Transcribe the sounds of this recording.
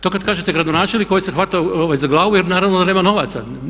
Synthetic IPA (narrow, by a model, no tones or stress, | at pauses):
t̪okad̪̚kaːʒet̪eɡɾad̪onaːt͡ʃelnikːo̞jisexʋat̪ajooʋajzaɡlˠaːʋujɛɾnaːɾaʋnod̪aneːmano̞ʋaːt̪sa̰